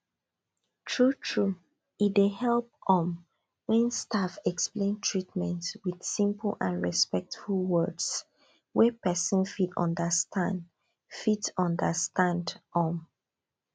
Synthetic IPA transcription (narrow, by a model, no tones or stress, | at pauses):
tʰɹutʰɹu | itdehɛlp̚ɔ̃m | wɛ̃nstafɛksplẽntʰɹitmɛ̃ntswið̥sĩmpəl̩ˠãnɹɛspɛk̚tfulˠwɜds | wɛpɛsə̃nfidɔ̰̃ndəstʰãnd | fitsɔ̃ndəstãndɔ̃m